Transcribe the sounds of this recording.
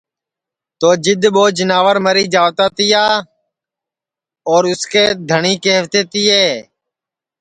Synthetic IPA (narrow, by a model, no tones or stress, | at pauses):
t̪oːd͡ʒɪd̪ʱɓoːd͡ʒɪnaːʋəɾməɾiːd͡ʒaːʋt̪aːt̪iːaː | oːɾʊskeːd̪ʱəɳiːkeːɦəʋt̪eːt̪iːeː